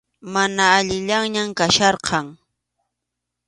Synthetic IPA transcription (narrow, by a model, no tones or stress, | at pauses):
manaːʎɪʎaŋɲamkaʃɑɾqʰɑŋ